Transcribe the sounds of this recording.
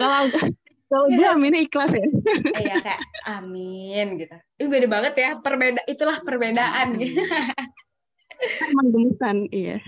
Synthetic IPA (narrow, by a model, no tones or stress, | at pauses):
kala | kalaɡuaminaiklasjaijakajaaminɡit̪u | ubedabaŋət̪japərbedaʔit̪ulahpərbedaʔanɡi | amaŋdəməsanija̰